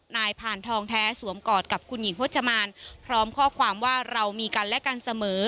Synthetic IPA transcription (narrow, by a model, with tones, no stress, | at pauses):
naː˧jpʰaː˨˩nt̪ʰɔː˧ŋt̪ʰɛː˦˥su˩˦mkɔː˨˩t̪̚ka˨˩p̚kʰu˧nji˩˦ŋʰo˦˥t̪̚t͡ɕa˧maː˧npʰɾɔː˦˥mkʰɔː˥˩kʰwaː˧mwaː˥˩ɾa˧wmiː˧ka˧nlɛ˦˥ʔka˧nsa˧mɤː˩˦